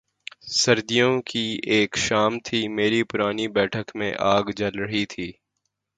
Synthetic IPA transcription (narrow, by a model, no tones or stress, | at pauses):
sɐɾd̪ijõkieːkʃaːmt̪ʰimeːɾipʊɾaːnibɛːʈʰəkmḛ̃ʔaːɡd͡ʒɐlɾəɦit̪ʰiː